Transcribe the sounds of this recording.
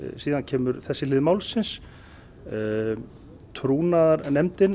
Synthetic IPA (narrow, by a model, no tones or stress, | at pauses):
siːðancʰɛːmʏɾθɛsːɪlɪːðmawlsɪns | t̪ʰɾuːnaðaɾnɛmt̪ɪn